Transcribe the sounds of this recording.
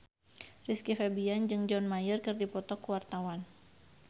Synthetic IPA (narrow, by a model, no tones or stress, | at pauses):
riskifɛbiand͡ʒɨŋd͡ʒɔnmajərkɨrdipɔt̪ɔkuwart̪awan